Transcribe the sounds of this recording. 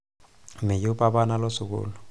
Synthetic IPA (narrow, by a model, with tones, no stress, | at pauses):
mɪ˨ju˦pa˦ɓa˦na˦lɔ˦sʊ˨k̬ṵːlɔ